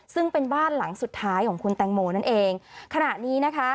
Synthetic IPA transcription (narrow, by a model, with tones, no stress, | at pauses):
sɯ˥˩ŋpe˧nbaː˥˩nla˨˩˦ŋsu˨˩t̪ʰːaː˦˥jkʰɔː˩˦ŋkʰu˧nt̪ɛː˧ŋmoː˧na˥˩nʔeː˧ŋkʰa˧na˨˩niː˦˥na˦˥kʰa˦˥